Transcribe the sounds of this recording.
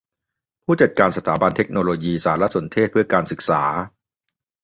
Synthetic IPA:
pʰuː˥˩t͡ɕa˨˩t̪̚kaː˧nsa˧t̪ʰaː˩˦ba˧nt̪ʰe˦˥k̚noː˧loː˧jiː˧saː˩˦ɾa˦˥so˩˦nt̪ʰeː˥˩t̪̚pʰɯ˥˩ɐkaː˧nsɯ˨˩k̚saː˩˦

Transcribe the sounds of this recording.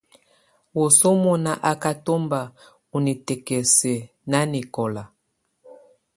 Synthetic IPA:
wu˨so˦mɔ˨na˨ʔa˦ka˦to˦mba˨ | u˨ni˨tɛ˨kɛ˨sɛ˨ | na˦ni˨kɔ˨la˨

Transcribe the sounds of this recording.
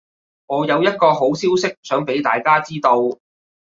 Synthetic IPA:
ŋɔː˨˧jɐ˨˧wjɐ˥t̚kɔː˧ɦo˨˥wsiː˥wsɪ˥k̚sœː˨˥ŋpe˨˥jt̪a̰ː˨jkaː˥t͡siː˥t̪o˧w

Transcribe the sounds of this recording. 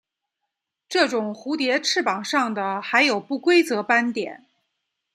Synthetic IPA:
ʈ͡ʂɤ˥˩ʈ͡ʂʊ˨˩ŋxu˧˥t̪jɛ˧˥ʈ͡ʂʰɻ̩˥˩pɑ˨˩ŋʂɑ˥˩ŋd̪ə˩xa˧˥ɪjo˨˩ʊpu˥˩kwe˥ɪt͡sɤ˧˥pa˥nt̪jɛ̰˨˩˦n

